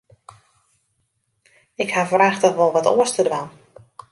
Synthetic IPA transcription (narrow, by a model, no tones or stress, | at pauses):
ɪkhavraːxtɔxʋɔlˠʋɔto̰əstədʋan